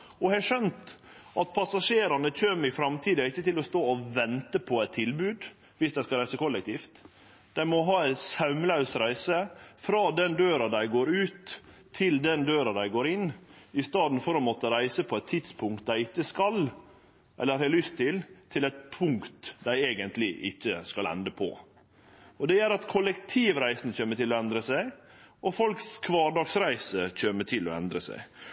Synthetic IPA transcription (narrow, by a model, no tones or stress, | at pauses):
ɔhɛʂœnt̪ʔɑt̪̚pʰɑsɑʂeːɾɑnəc͡çøːmɾɪfɾɑmt̪ʰiːd̪əɪçːət̪ɪlɔst̪oːɔʋɛnt̪əpʰɔæɪt̪ʰːɪlbʉːd̪ | ʋɪsd̪æɪskɑɾæɪsəkʰɔlːɛkt̪ʰiːft̪ | d̪̥æɪmɔɦɑːæɪsɑʉmlɑʉsɾæɪsəfɾɑːd̪ɛnd̪øːɾɑd̪æɪɡoːɾʉːt̪ʰː | ɪld̪ɛnd̪øːɾɑd̪æɪɡoːɾɪn | ɪst̪ɑːd̪n̩fɔɾɑmoːt̪əɾæɪsəpʰɔɛt̪ʰːɪd̪spʰʊŋk̚t̪̚d̪æɪɪtːəskɑl | ʔɛ̰lːəɾhɛlʏst̪ʰːɪlt̪ʰɪlæɪt̪̚pʰʊŋkt̪d̪æɪeːɡənt̪lɪʔɪtːəskɑlɛ̰nd̪əpʰɔ̰ | ɔd̪ɛjæɾɑt̪kʰɔlɛkt̪ʰiːʋɾæɪsnçøːmətʈʰɪlɔɛnd̪ɾəsæɪ | ʔɔfɔlkskʰʋɑːɖɑːɡsɾæɪsəc͡çøːməʈʰɪlɔ̰ɛ̰nd̪ɾəsæ̰ɪ